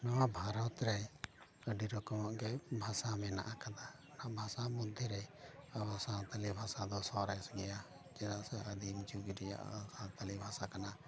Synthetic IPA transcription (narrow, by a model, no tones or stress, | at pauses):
nɔwabʱaɾɔt̪ɾɛ | əɖiɾɔkɔmɔʔɡɛbʱasamɛna̰ʔakad̪a | naʔbʱasamud̪ʱːɛɾɛabasat̪alibʱasad̪ɔsɔɾɛsɡɛja | d͡ʒɛnaʔsɛəd̪imd͡ʒuɡiɾɛja̰ʔsat̪alibʱasakana